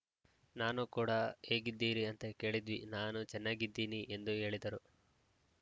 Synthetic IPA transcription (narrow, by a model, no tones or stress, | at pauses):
naːnukuːɽɐhe̞ːɡid̪ːiːɾiɐnt̪eke̞ːɭid̪ʋinaːnut͡ʃɛnːaːɡid̪ːiːniʔe̞nd̪uɦe̞ːɭid̪ɐɾu